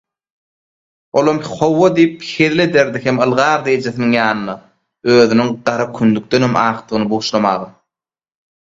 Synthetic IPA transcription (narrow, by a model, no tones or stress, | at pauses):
olˠomχo̞wːod̪ijpheðile̞d̪eɾd̪iɦemɯlˠʁɑːɾd̪e̞jed͡ʒe̞θiniŋjɑːnɯnɑ | øːðynyŋɢɑɾɑkʰynd̪yk̚t̪enemɑːqt̪ɯʁɯnɯbuːʃlˠɑmɑːʁɑ